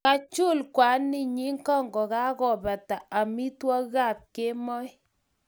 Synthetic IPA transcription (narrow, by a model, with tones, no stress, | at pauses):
ka˨t͡ʃu˦˨lkwa˨˦ni˦˨ɲi˦ŋkɔ˦˨ŋɡɔ˨ka˦kɔ˨ba˨ta˨a˨mi˦twɔ˦ɣa˦˨p̚ke˦mɔ˦j